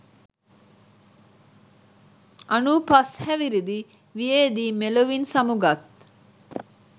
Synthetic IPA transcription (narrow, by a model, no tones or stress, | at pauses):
ʔɐnupɐshɛʋiɾid̪i | ʋijeːd̪iːmeloʋinsɐmuɡɐt̪̚